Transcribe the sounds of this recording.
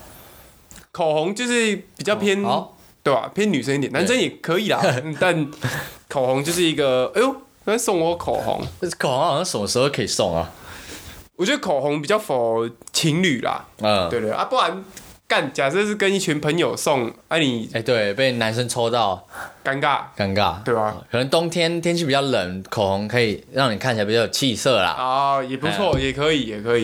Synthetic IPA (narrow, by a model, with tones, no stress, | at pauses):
kʰo˨˩ɦɔ˧˦ŋt͡ɕjo˥˧ʂɻ̩˥˩pi˨˩t͡ɕjɑ˥˧ʊpʰjɛ˥n | t̪we˥˩ɪa̰˨˩pʰjɛ˥nːy˨˩s̬ə˦ŋ˥t̪jɛ˨na˧˦ns̬ə˦˥ŋjɛ˨˩kʰə˧˦i˨˩la̰˨˥˧t̪a˥˨nkʰo˨˩hɔ˧˦ŋt͡ɕjo˥˧ʊʂ̬ɻ̩˥˩i˧˦ɡə˨e˥˧ | sɔ˥˧ŋwɔ˧˥˩kʰo̰˨˩ɦɔ̰˧˦ŋkʰho˧˦ŋa˨˩ã˥ʂə˨˦mə˧˩ʂɻ̩˧ho˥˧ʊkʰə˦i˨˩sɔ̰˥˩ŋa̰˨ | wɔ˨˩t͡ɕɥɛ˧˦d̪ə˥kʰo˨˩ɦɔ˧˦ŋp̬i˨˩t͡ɕjɑ˥˩ʊfo˨˩t͡ɕʰi˧˥ŋly˨˩la̰˨˩ə˨˩wt̪we˥˩ʔa̰˥pu˥˩la˧˦nka˥˩nt͡ɕja˨˩sə˥˧ʂ̬̩˥˧˩kə˦ni˥˩t͡ɕʰy˧˦npʰə˧˥ŋjo˨˩ʊsɔ˥˩ŋa˥ni˨˩e˥˧t̪we˥˩ɪpe˥˩ɪna˧˦nʂə˦nt͡sʰo˥t̪ɑ˥˩ʊka˥ŋka˥˩tka˥ŋka˥˩we˥˩ɪa˨˧˩kʰə˨˩nə˧˦ŋt̪ɔ˥ŋt̪ʰjɛ˥nt̪ʰjɛ˥nt͡ɕʰy˥˩pi˨˩jɑ˥˩lə˨˩˦nkʰo˨˩hɔ˧˦ŋkʰɤ˧˥i˨˩ɻɑ˥˩ŋni˨˩kʰa˥˩t͡ɕʰpjjo˨˩˨t͡ɕʰi˥˧sɤ˥˩lɐ̰˩ɔ˧jɛ˨˩p̬u˧˦t͡sʰwɔ˥˩jɛ˨˩kʰɤ˧˦i˨˩jɛ˨˩kʰɤ˧˦i˨˩